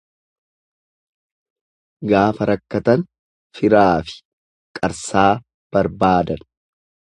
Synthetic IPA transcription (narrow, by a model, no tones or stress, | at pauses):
ɡaːfɐɾɐkːɐt̪ɐn | fɪɾaːfɪ̥ | kʼɐɾsaː | b̥ɐɾbaːd̪ɐn